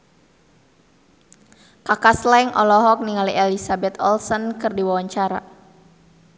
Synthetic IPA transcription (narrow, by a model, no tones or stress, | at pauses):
kakaslɛŋʔɔlɔɦɔk̚niŋaliʔɛlisabɛt̪ɔlsɔnkɨrdiwawaɲt͡ʃaɾa̰